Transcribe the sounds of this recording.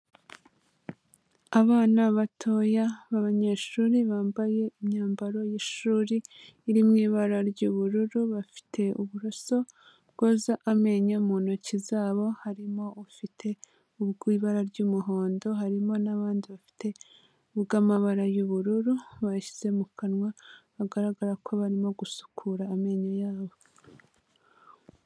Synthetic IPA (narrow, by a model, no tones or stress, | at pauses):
aβaːnaβatʰo̞jaβaβaɲe̞ʃuːɾiβaːmbaje̞imɲaːmbaɾo̞jiʃuːɾiː | ɾimŋiːβaɾaɾɟuβuɾuɾuβafi̥tʰe̞uβuɾoso̞ | bɡ̥oːzaʔame̞ɲamuːnocizaːβo̞haɾimo̞ufitʰe̞ | uβɡiːβaɾaɾɟuːmuɦo̞ːndo̞ɦaɾimo̞naβaːndiβafi̥te̞ | ubɡamaβaɾajuβuɾuɾuβaʃi̥z̥e̞mukanŋwaβaɡaɾaɡaɾakʰo̞βaɾimo̞ɡusu̥kʰuɾaːme̞ɲajaːβo̞